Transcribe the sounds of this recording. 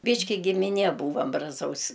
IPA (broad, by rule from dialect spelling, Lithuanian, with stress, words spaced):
ˈbʲiːʃʲkʲɪ ɡʲɪmʲɪˈnʲiɛ ˈbuːʋɐm brɐˈzɐʊsʲ